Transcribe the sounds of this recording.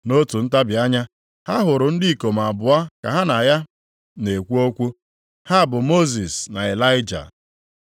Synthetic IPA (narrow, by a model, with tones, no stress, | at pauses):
no˦tu˨n̩˦ta˦bja˦ɲa˦ | ha˦ɦʊ˨ɾʊ˨n̩˦dɪ˦i˨ko˨m˨a˨bʊ˨a˦ka̰˨ɦa˦na˨ja˦ | ne˨kʷu˦o˦kʷu˦ | ha˦˨bʊ˨mo˦zi˨sna˨e˨la˦ɪ˦d͡ʒa̰˨